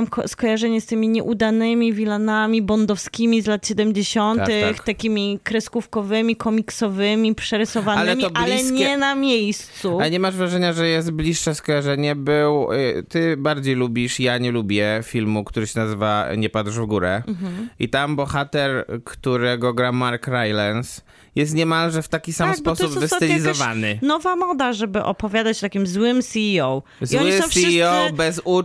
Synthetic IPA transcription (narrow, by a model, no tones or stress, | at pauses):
mkskɔjaʐɛɲɛst̪ɘmʲiɲɛʔud̪anɘmʲivʲilanamʲibɔnd̪ɔfskʲimʲizlat̪ɕɛd̪ɛmd͡ʑeɕɔnt̪ɘxt̪akʲimʲikɾɛskufkɔvɘmʲikɔmʲiksɔvɘmʲipʂɛɾɘsɔvanalɪmʲiɔballɛsɲɛnamʲjejst̪suaɲɛmaʐvɾaʐɛɲaʐɛjɛst̪̚blʲiʂʂɛskɔjaʐɛɲɛbɘwt̪ɘbaɾd͡ʑejlubʲiʂjaɲɛlubʲjɛfʲilmukt̪uɾɘɕɛnazɘvaɲɛpad̪ʂvɡuɾɛʔḭt̪ambɔxat̪ɛɾkt̪uɾɛɡɔɡɾamaɾkɾajlans | jɛst̪ɲɛmalʐɛft̪akʲisams̚pɔsubvɨsɪlʲizɔvanɘnɔvamɔd̪aʐɛbɘʔɔpɔvʲjad̪at͡ɕt̪akʲimzwɘmsʲiiɔw | ziɔwɲiɪɔ̃siɔbɛzu